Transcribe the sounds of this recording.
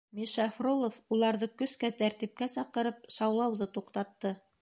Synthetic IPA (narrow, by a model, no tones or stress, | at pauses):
miʃɑfrolˠofulˠɑɾðɤkɵ̆skæt̪æɾt̪ip̚kæsɑqɤ̆ɾɤp̚ʃɑwlˠɑwðɤt̪uqt̪ɑt̪ːɤ